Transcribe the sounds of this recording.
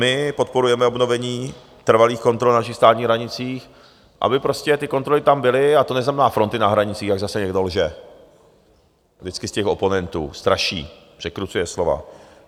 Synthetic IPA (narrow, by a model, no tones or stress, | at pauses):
mɪpo̞t̪̚po̞ɾujɛmɛobno̞vɛɲiː | t̪r̩valiːxko̞nt̪ɾo̞lnaʃ̬ɪxst̪aːt̪ɲiːɦɾaɲɪt͡siːx | ʔa̰bɪpɾo̞scɛt̪ɪko̞nt̪ɾo̞lɪt̪ambɪlɪat̪o̞nɛznamɛnaːfɾo̞nt̪ɪnaɦɾaɲɪt͡siːxjaɡzasɛɲɛɡdolʒɛ | vdɪt͡skɪscɛxo̞po̞nɛnt̪ṵːst̪ɾaʃḭː | pr̥ɛkɾut͡sujɛslo̞va̰